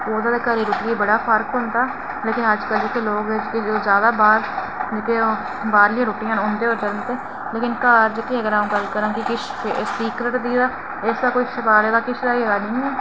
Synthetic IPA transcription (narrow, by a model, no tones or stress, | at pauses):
oːd̪aːd̪eːkəɾiːɾʊːʈiːeːbəɽaːpʰəɾkɦʊ̃nd̪aː | leːkɪnəd͡ʒkəld͡ʒekeːloːɡd͡ʒkɪzjaːd̪aːbaːɾ | d͡ʒɪkeː | baːɾlɪjãːɾʊːpɪjãːʊ̃nd̪eːoːɾd͡ʒələnt̪eː | leːkɪnkaːɾd͡ʒkeəɡəɾaːũːɡəlkəɾãːkɪkɪt͡ʃ | siːkɾəʈd̪iːd̪aː | ɪsd̪aːkoːiːʃəkaːleːd̪aːkɪt͡ʃʰlaːiɡaːnĩː